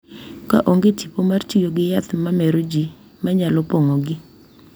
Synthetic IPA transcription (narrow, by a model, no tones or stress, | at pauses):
ka̰ʔoŋɡetipomart͡ʃijoɡɪjat̪mamɛɾod͡ʒi | maɲalɔpoŋɔɡɪ